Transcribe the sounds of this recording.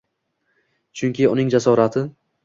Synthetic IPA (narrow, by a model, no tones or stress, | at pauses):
t͡ʃʰʊŋkʲɪʊnɪŋd͡ʒasɒɾat̪ʰɪ